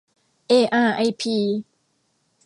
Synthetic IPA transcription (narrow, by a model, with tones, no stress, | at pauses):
ʔeː˧˩ʔaː˧˩ʔa˧jpʰiː˧˩